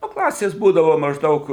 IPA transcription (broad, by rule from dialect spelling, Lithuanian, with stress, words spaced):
ˈnʊ ˈklˠɑːsʲeːs ˈbuːdɐʋoː mɐʒˈdɐʊk